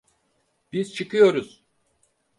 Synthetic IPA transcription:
b̥izt͡ʃʰɯkɯjo̞ɾuz̥

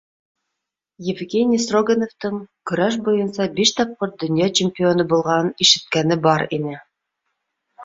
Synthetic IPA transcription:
jɪvɡʲenʲijsroɡenovt̪ɤɴk̆ɾɑʃ̬bujɤ̆nsɑbiʃt̪ɑp̚qoɾ̚d̪ɵ̆njɑt͡ɕɪmʲpʲɪo̞nɤbulˠʁɑnɤniʃɘ̆t̪̚kænɘbɑɾinɘ

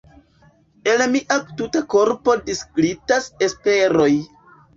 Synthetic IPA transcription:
e̞lmiʔatutako̞ɾpo̞diskɾitase̞spe̞ɾo̞j

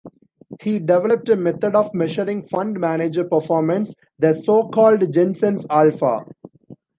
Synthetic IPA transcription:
hiːɖɛʋɛləp̚ʈəmɛt̪ʰəɖɔːʋmɛʃəɾɪ̃ŋɡfʌ̃ɳɖmæned͡ʒəɾpəɾfɔːɾmə̃ns | d̪æsoːkɔːlɖd͡ʒẽnsə̃nsalfa̰

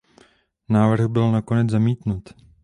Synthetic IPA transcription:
naːvr̩ɣbɪlnako̞nɛd͡zzamiːt̪nut̪

